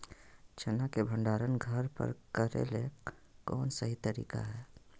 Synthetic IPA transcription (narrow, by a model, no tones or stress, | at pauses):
t͡ʃʰənakebʱə̃ɳɖaːɾənɡʱəɾpə̰ɾkəɾḛle | kɔːnsəɦit̪əɾḭːka̰ɦɛː